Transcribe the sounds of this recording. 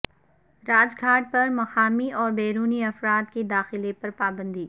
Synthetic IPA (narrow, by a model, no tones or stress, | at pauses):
ɾaːd͡ʒɡʱaːʈ̚pɐɾmɐxaːmiʔɔːɾbeːɾuːniɐfɾaːt̪̚ked̪aːxɪlepɐɾpaːbə̃nd̪iː